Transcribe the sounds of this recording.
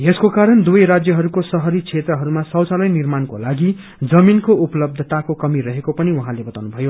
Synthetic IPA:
eskokaɾʌnd̪uʌjɾad͡zjʌɦʌɾukosʌɦʌɾit͡sʰet̪rʌɦʌɾumasʌwt͡salʌjnirmanko̰laɡi | d͡zʌminkoupʌlʌb̚d̪ʱʌt̪akokʌmirʌɦekopʌniwʌɦãlebʌt̪awnubʱʌjo

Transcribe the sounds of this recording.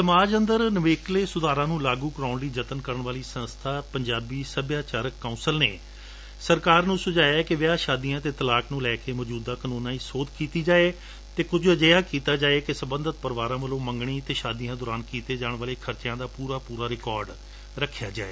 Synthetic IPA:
səmaːd͡ʒənd̪əɾnəʋeːkleːsʊd̪aːɾãːnũːlaːɡuːkəɾaːʊnd̪iːd͡ʒət̪ənkəɾəɳʋaːliːsə̃nst̪ʰaːpəɲd͡ʒaːbiːsəbjaːt͡ʃaːɾəkːãːnsəlnḛː | səɾkaːɾnũːsʊd͡ʒaːjaːɛkɪʋɪaːʃaːd̪iːãːt̪eːt̪əlaːknũːlɛːkeːmɔːd͡ʒuːd̪aːkənuːnãːiːsoːd̪kiːt̪iːd͡ʒaːeː | t̪eːkʊd͡ʒəd͡ʒəːjaːkiːt̪aːd͡ʒaːeːkɪsəbə̃nd̪ət̪̚pəɾʋaːɾãːʋəlõːməŋɡɳ̃iːt̪eːʃaːd̪ijãːd̪ʊːɾaːnkiːt̪eːd͡ʒaːɳʋaːleːkʰəɾt͡ʃjãːd̪aːpuːɾaːpuːɾaːɾɪkɔːɾɖ | ɾəkʰja̰ːd͡ʒa̰ːeː

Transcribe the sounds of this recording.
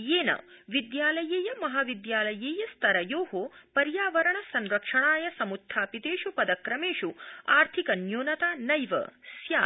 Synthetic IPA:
eːnɐ̰ | ʋid̪jaːlɐjeːjɐmɐɦaʋid̪jaːlɐjeːjɐst̪ʰɐɾɐjoːɦopɐɾjaːʋɐɾɐɳɐsɐnɾɐkʂɐɳaːjɐsɐmut̪ʰːaːpit̪eːʂupɐd̪ɐkɾɐmeːʂuaːɾt̪ʰikɐnjoːnɐt̪aːnɐjʋɐ̰sjaː

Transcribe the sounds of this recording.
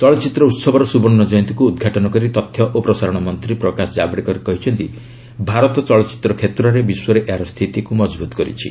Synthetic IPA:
t͡ʃɔɭɔt͡ʃit̪ɾɔut̪sɔbɔɾɔsubɔnnːɔd͡ʒɔjnt̪ikuːd̪ɡʱaʈɔnɔkɔɾit̪ɔt̪ʰːjɔʔopɾɔsaɾɔɽ̃ɔmɔnt̪ɾipɾɔkasɔd͡ʒabɽikɔɾikɔɦit͡ʃʰɔnt̪i | bʱaɾɔt̪ɔt͡ʃɔɭɔt͡ʃi̥t̪ɾɔkʰet̪ɾɔɾebiswɔɾeʔeaɾɔst̪ʰit̪ikumɔd͡ʒbut̪ɔ̥kɔɾḭt͡ʃʰḭ

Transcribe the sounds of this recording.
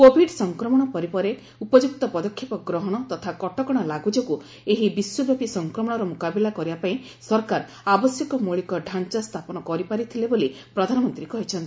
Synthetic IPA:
kobʱiɖsɔŋkɾɔmɔɽ̃ɔpɔɾipɔɾe | upɔd͡ʒuk̚t̪ɔpɔd̪ɔkʰːjipɔɡɾɔɦɔɽ̃ɔt̪ɔt̪ʰakɔʈɔkɔɽ̃ɔlaɡud͡ʒɔku | eɦibiswɔbjapisɔŋkɾɔmɔɽ̃ɔɾɔmukabilakɔɾibapaĩ | sɔɾkaɾ | abɔsjɔkɔmuɭikɔɖʱant͡ʃast̪ʰapɔnɔkɔɾipaɾit̪ʰileboli | pɾɔd̪ʱanɔmɔnt̪ɾikɔɦit͡ʃʰɔnt̪i

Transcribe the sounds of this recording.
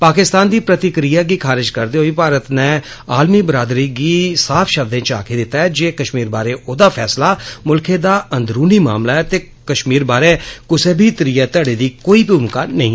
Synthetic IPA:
paːkɪst̪aːnd̪iːpɾət̪ɪkɾijaːɡiːkʰaːɾɪd͡ʒkəɾd̪eːɦoːiːpaːɾət̪nɛː | aːlmiːbɾaːd̪ɾiːɡiːsaːfʰʃəb̚d̪ẽːt͡ʃa̰ːkʰeːd̪ɪt̪ːaːɛːd͡ʒeːkəʃmiːɾbaːɾeːʔoːd̪aːpʰɛːslaːmʊlkʰẽːd̪aːʔənd̪ɾuːniːma̰ːmlaːɛːt̪eː | kəʃmiːɾbaːɾeːkʊseːbʱiːt̪əɾiːɛːt̪əɽeːd̪iːkoːiːpuːmkaːnəɦĩː

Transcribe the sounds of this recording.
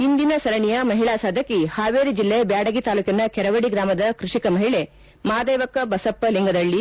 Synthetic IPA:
ind̪inɐsɐɾɐɳijɐmɐɦiɭaːsaːd̪ʱɐkihaːʋeːɾid͡ʒilːebjaːɽɐɡit̪aːluːkɐnɐkɛɾɐʋɐɽiɡɾaːmɐd̪ɐkɾuʂikɐmɐɦiɭe | maːd̪eːʋɐkɐbɐsɐpːɐliŋɡɐd̪ɐɭːi

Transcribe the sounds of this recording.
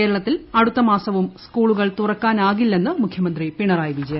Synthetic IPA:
eːɾɐɭɐt̪ːilɐɽut̪ːɐmaːsɐʋumskuːɭuɣɐɭt̪urɐkːaːnaːɣilːe̞nːɨmukʰjɐmɐnd̪ripiɳɐraːjʋid͡ʑɐj

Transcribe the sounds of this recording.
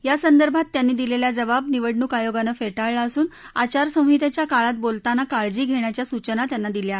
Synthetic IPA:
jasənd̪əɾbʱat̪ːjanːiːd̪ileljad͡zəʋab̚niʋəɽɳukajoɡanəfeʈaɭːsuːn | at͡ɕaɾsə̃w̃ɦit̪at͡ɕjakaɭat̪̚bolt̪anːakaɭd͡ʑiːɡʱeɳ̃jat͡ɕjasut͡ɕənat̪janːad̪ilja

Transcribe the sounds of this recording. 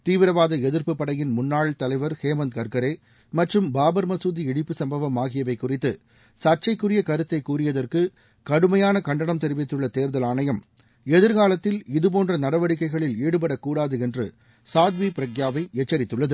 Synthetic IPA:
t̪iːʋɪɾɐʋaːðɐɛðɯɾpɯpːɐɽɐjɪnmʊnːaːɭt̪ɐlɐɪʋɐɾheːmɐnd̪̚kɐɾkɐɾeː | mɐʈrɯmbaːbɐɾmɐsuːðiɪɽɪpːɯsɐmbɐʋɐmaːɣɪjɐʋɐɪkːʊrɪt̪ːɯ | sɐʈ̚t͡ʃːɐɪkːɯrɪjɐkɐɾɯt̪ːɐɪkːuːrɪjɐðɐrkɯ | kɐɽɯmɐjaːnɐkɐɳɖɐɳɐmt̪ɛɾɪʋɪt̪ːɯɭːɐt̪eːɾðɐlaːnɐjɐm | ɛðɯɾɣaːlɐt̪ːɪlɪðɯp̬oːndrɐnɐɽɐʋɐɽɪkːɐɪɣɐɭɪleːɽɯp̬ɐɽɐkːuːɽaːðɯɛndrɯ̰ | saːd̪ʋipɪɾɐɡjaːʋɐɪɛt͡ʃːɐɾɪt̪ːɯɭːɐðɯ

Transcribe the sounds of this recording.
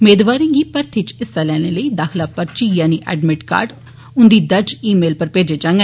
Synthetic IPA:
meːd̪ʋaːɾɪ̃ŋɡiːpəɾt̪ʰit͡ʃɪst̪aːlɛːɽ̃eːləiːd̪aːkʰlaːpəɾt͡ʃiːjãːniːʔɛ̰ːɖmɪʈka̰ːɾɖ | ʊnd̪iːd̪əd͡ʒiːmeːlpəɾpeːd͡ʒeːd͡ʒãːŋɡɛ

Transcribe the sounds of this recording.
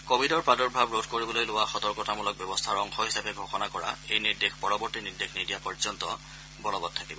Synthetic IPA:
kobʱidɔɹpadɔɹbʱabɹodkoɹibɔlojlʊwaxɔtɔɹkɔtamulɔk̚bjɔbɔst̪ʰaɹɔŋxɔɦisabɛɡʱɔxɔnakɔɹa̰ejniɹdexpɔɹɔbɔɹtiniɹdexʰnidijapɔɹzɔntɔ̰ | bɔlɔbɔd̚tʰakibɔ

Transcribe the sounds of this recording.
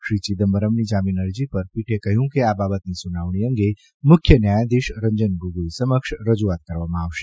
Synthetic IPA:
ʃɾit͡ʃid̪əmbəɾəmnid͡ʒaminəɾd͡ʒipəɾpiʈʰekəɦjũkeababət̪nisunaʋɳ̃iə̃ŋɡe | mʊkʰjənjajad̪iʃɾə̃ɲd͡ʒənɡuɡlisəməkʃɾəd͡ʒuat̪̚kəɾʋamãaʋʃe

